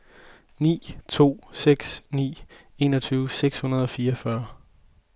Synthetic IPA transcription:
nḭːt͡sʰo̝̰ːseɡ̥snḭː | e̝ːnɒt͡sʰyːʊseɡ̥shunɐð̞ˠɒ̽fiːɐʌfɶɐ

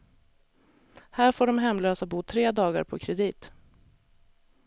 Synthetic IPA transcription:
hæːɾfoːɖɔmɦɛmːløːsabuːt̪ʰɾeːd̪ɑːɡa̰ɾpʰɔkʰɾɛd̪iːt̪

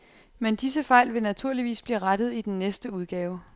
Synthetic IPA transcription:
mend̥isəfɑ̈ɪ̰lʋe̝næt͡sʰuɐ̰liʋḭːsb̥liːʁad̥ð̞̩ˠid̥enːesd̥əuð̞ˠɡ̥ɛːʊə

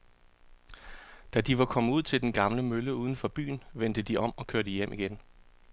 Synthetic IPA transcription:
d̥æd̥iʋɑ̈kʰɒ̽məuð̰ˠt͡sʰe̝ld̥enɡ̥ɑ̈mləmøləuːð̞ˠən̩fɒ̽b̥y̰ːnʋen̰d̥əd̥iɒ̽m̰ɒ̽kʰøɐɾəijem̰ʔiɡ̥en

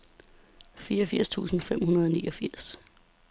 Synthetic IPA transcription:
fiːɐɒfiɐ̰st͡sʰṵːsn̩fem̰hunɐð̞ˠɒniːɒ̽fiɐ̰s

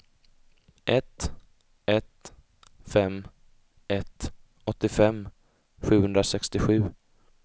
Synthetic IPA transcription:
ʔɛt̪ | ɛt̪ | fɛmː | ɛt̪ | ɔt̪ːɪfɛmː | ɧʉ̟ːhɵnd̪ɾasɛkst̪ɪɧʉ̟ː

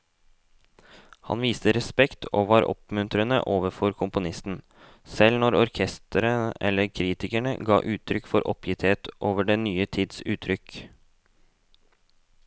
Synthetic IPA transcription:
hɑ̰nʋiːst̪əɾɛspɛkt̪ʰoːʋɑːɾʔɔ̰pmʉnt̪ɾənə̰ʔoːʋəɾfɔɾkʰʊmpʊnɪst̪n̩ | sɛlnɔɾɔɾkʰɛst̪ʰəɾəʔɛ̰lːəɾkʰɾiːt̪ɪkæɳə̰ɡɑ̰ːʔʉːt̪ʰɾʏkfɔɾʔɔ̰pʰjɪt̪heːt̪ʔoːʋəɖeːnyːət̪ʰiːd̪sʉːt̪ʰːɾʏk

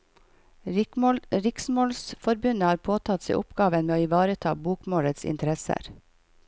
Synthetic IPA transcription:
ɾɪksmoːlsfɔɾbʉnəhɑːɾpʰoːt̪ʰɑt̪sḭːʔʊpɡɑːʋənmeːoːɪʋɑːɾət̪ʰɑ̰ːbuːkmoːɾət̪sɪ̰nt̪ʰəɾɛsə̰ɾ

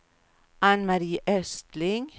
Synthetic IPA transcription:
ʔɑnmɑɾiːʔɛst̪lɪŋ

